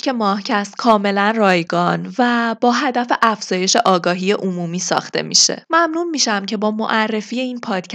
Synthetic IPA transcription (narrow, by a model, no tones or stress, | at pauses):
ke̞mɒːhcʰæst̪̚kʰɒːme̞lænrɒːjɡɒnvæb̥ɒːɦæd̪æfeʔæfz̥ɒːje̞ʃe̞ʔɒːɡɒːɦijeʔomuːmiːsɒ̰ːxt̪e̞̰mḭʃḛmæmnuːmiːʃæmcʰe̞bɒːmo̰ʔærːe̞fijeiːnpʰɒːd̪̥cʰ